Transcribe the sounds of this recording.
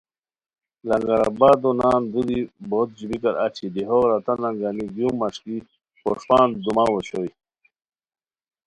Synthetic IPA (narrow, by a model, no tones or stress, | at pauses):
lɐŋɡaɾa̰baːd̪onaːnd̪ud̪ibot̪̚d͡ʑubikaɾat͡ɕʰid̪iɦoɾat̪anaŋɡaniɡumːaʂki | poʂpaːnd̪umawoɕoj